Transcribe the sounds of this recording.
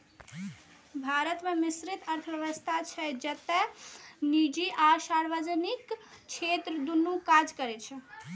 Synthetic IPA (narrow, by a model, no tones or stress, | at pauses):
bʱaɾət̪memisɾit̪ʰəɾt̪ʰəəʋəst̪ʰat͡ʃʰɛd͡ʒət̪ɛnid͡ʒiʔasaɾbəd͡ʒənikt͡ʃʰet̪ɾəd̪unːukad͡ʒkəɾɛt͡ʃʰɛ